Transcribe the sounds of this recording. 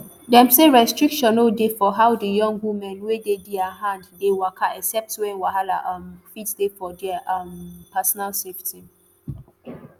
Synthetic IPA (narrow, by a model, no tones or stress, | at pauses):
dɛ̃mseɹɛstɹikʃɔ̃nodefɔɦawdəjɔ̃ŋɡwumɛ̃nwedediaɦãnddewakʰaɛksɛp̚twɛ̃nwaɦala̰ʔãmfitsdefɔdɛʔampʰasɔnalsefti